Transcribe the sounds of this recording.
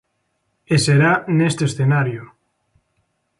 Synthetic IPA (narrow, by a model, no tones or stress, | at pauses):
eseɾanest̪esθenaɾjo